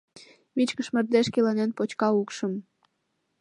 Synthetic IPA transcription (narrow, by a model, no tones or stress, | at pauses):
mit͡ɕkəʃmə̆rd̪eʃkilɑnenpot͡ɕkɑukʃəm